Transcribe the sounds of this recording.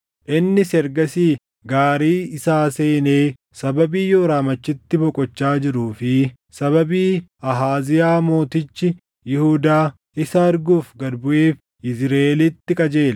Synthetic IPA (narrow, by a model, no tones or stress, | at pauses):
ʔɪnːɪsɛɾɡɐsiː | ɡaːɾiːɪsaːse̞ːneː | sɐbɐbiːjoːɾaːmɐt͡ʃːɪt̪ːɪbɔkʼɔt͡ʃːaːd͡ʒɪɾuːfɪ | sɐβɐbiːɐɦaːzɪjaːmo̞ːt̪ɪt͡ʃːɪ | jɪhuːd̪aː | ʔɪsɐɐɾɡuːfɡɐd̪bʊʔe̞ːf | ʔɪzɾeːlɪt̪ːɪkʼɐd͡ʒe̞ːl